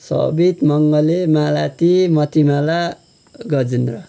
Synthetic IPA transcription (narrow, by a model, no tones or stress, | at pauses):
sʌ̰bit̪mʌŋɡʌlemalat̪imʌt̪imala | ɡʌd͡zinrʌ